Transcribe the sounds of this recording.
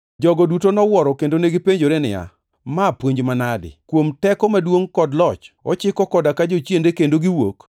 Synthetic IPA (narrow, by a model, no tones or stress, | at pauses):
d͡ʒɔɡɔdutonɔwɔɾɔkendoneɡipeɲd͡ʒoɾenɪ̰ja̰ | mapwoɲd͡ʒmanadɪ̰kwomtɛkɔmadwoŋkɔdlɔt͡ʃɔ̰t͡ʃɪkɔkɔdakad͡ʒot͡ʃjendekendoɡiwo̰k